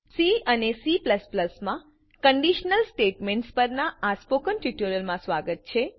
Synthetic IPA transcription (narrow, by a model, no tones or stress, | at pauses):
siənesipləspləsmã | kəɳɖiʃnəlsʈeʈmẽɳʈspəɾnaaspokənʈiʈuɾəlmãsʋaɡət̪̚t͡ʃʰe